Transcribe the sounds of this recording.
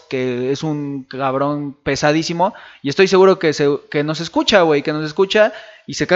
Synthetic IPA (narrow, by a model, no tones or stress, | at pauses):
keesuŋkaβɾo̞npe̞saðisimo̞iest̪o̞js̬e̞ɣuɾo̞keseke̞no̞s̬e̞skut͡ʃawe̞jke̞no̞s̬e̞skut͡ʃaise̞ka